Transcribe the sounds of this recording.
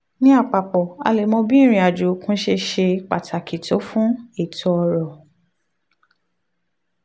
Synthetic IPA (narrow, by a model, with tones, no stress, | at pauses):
nĩ˦a˦˨k͡pa˨k͡pɔ˨a̰˧le˨mɔ̃˧bĩ˦˨ɾ̃ĩ˧a˨d͡ʒo˨˦kũ˦ʃe˧ʃe˧k͡pa˨tʰa˨kʰi˨to˨˦fũ˦e˦˨tʰɔ˧ɔ˧ɾɔ˨